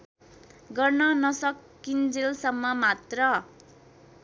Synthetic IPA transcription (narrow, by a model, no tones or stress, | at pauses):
ɡʌrnʌnʌsʌkː | ind͡zelsʌmːʌmat̪rʌ